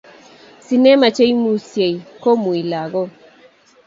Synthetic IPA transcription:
si˨nɛ˦ma˨t͡ʃe˦jmu˦se˨jko˦mu˨i˨la˨ɡɔ˦

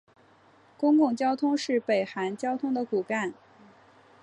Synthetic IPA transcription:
kʊ˥ŋkʊ˥˩ŋt͡ɕjɑ˥ʊt̪ʰʊ˥ŋʂɻ̩˥˩pe˨˩ɪxa˧˥nt͡ɕjɑ˥ʊt̪ʰʊ˥ŋd̪ə˨ku˨˩ka˥˩n

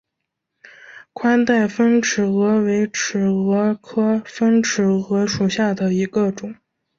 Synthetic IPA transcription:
kʰwa˥nt̪a˥˩ɪfə˥nʈ͡ʂ̩ʰ˨˩ɤ˧˥we˧˥ɪʈ͡ʂ̩ʰ˨˩ɤ˧˥kʰɤ˥fə˥nʈ͡ʂ̩ʰ˨˩ɤ˧˥ʂu˨˩ɕja˥˩d̪ə˩i˧˥ɡə˧ʈ͡ʂʊ˨˩˦ŋ

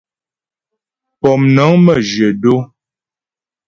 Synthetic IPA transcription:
pɔ˨mnə˨˦ŋmə˦˨d͡ʒə˨do˦

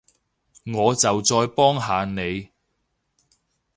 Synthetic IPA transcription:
ŋɔː˨˧t͡sɐ˨wt͡sɔː˧jpɔː˥ŋɦaː˨˧ne˨˧j

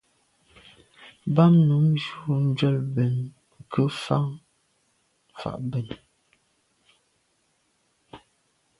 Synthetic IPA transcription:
ba˦mnu˨˦md͡ʒu˨˦˨n̩˦d͡ʒɥɛ˦˨lbɛ˨n˨ | kʰə˦fa˦ŋ˨ | fa̰˨ʔbɛ˨n

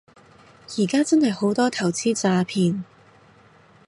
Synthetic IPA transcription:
jiː˨˩kaː˥t͡sɐ˥nhɐ˨jho˨˥wt̪ɔː˥t̪ʰɐ˨˩wt͡siː˥t͡saː˧pʰiː˧n

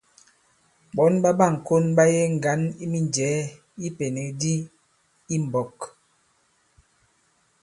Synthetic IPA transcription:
ɓɔ˨˦nba˦ba˦˨ŋ̩˨ko˦nba˦je˦ŋ̩˨ɡa˨˦ni˦mi˦nd͡ʒɛː˨˦ | i˦pe˨ne˨kdi˦ | i˦m˨bɔ˨k

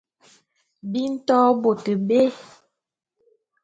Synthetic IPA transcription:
bi˦n̩˦tɔ˦bo˨tə˨be˦

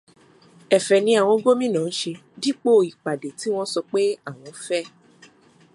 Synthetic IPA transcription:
ɛ˨fɛ˨nĩ˧a˨w̃ɔ̃˧˦ɡo˦mĩ˦nãː˨n̩˦ʃe˧ | di˦k͡po˦˨i˨k͡pa˨de˨ti˨˦w̃ɔ̃˦sɔ˧k͡pe˦a˦˨w̃ɔ̃˧˦fɛ˦˨

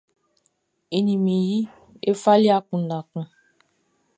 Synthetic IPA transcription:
e˨ni˨mi˨ji˦ | e˦fa˦li˦a˦kũ˨n˨a˨kə̃˨

